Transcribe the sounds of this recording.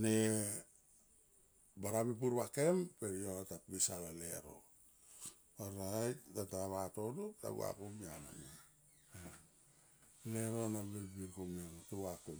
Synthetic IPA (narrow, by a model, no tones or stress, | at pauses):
ne | baɾamip̬uɾβakempeɾioatapbisalaleɾo̰ | aɾajtataaβatodupta̰βṵa̰komiana̰ma | leɾonabilbiɾkomanotuwako